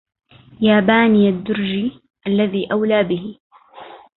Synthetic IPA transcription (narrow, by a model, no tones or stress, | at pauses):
jaːbaːnijad̪ːʊɾd͡ʒiː | ʔalːaðiːʔawlaːbɪɦɪ